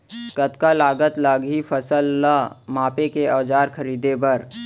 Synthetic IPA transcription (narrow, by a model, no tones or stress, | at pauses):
kət̪kalaːɡət̪laːɡɦifəsəlːamaːpekeɔːd͡ʒaːɾkʰəɾiːd̪ebɐɾ